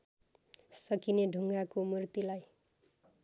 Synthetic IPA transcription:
sʌkineɖʱuŋɡakomurt̪ilaj

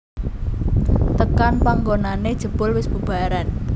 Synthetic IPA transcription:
t̪əkanpaŋɡonaned̥ʒ̥ə̤b̥ʊlwɪsb̥ub̥a̤ɾan

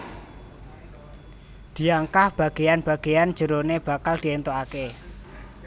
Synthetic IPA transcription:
d̪̥i̤aŋkahb̥ä̤ɡ̥ejanb̥a̤ɡ̥eand͡ʒ̥ə̤ɾoneb̥a̤kald̪̥i̤ent̪oake

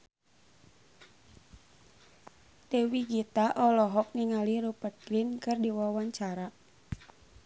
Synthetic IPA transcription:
t̪ɛwiɡit̪aʔɔlɔɦɔk̚niŋaliɾupət̪̚ɡɾinkɨrdiwawaɲt͡ʃaɾa

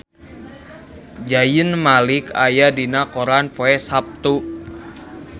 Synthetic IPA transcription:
d͡ʒajənmalikajadinakoɾanpoɛsap̚t̪u

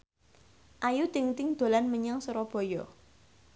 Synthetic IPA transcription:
ʔajut̪ɪŋt̪ɪŋd̪̥o̤lanməɲaŋsəɾɔb̥ɔ̤jɔ

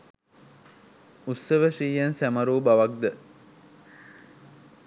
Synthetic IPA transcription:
usːəʋəʂiːjansæməɾuːbaʋak̚d̪ə

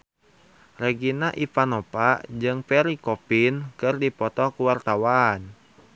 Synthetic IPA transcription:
reɡinaʔipanɔpaʔd͡ʒɨŋpɛɾikɔpinkɨrdipɔt̪ɔkuwart̪awan

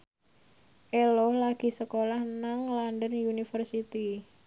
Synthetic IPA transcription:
ʔelɔhlaɡ̥i̤səkolahnaŋlandənjunifərsit̪i

